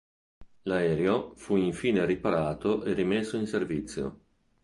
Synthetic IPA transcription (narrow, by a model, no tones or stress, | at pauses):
laɛːɾeofuiɱfiːneripaɾaːt̪oʔerimesːoinservit̪sːjo̰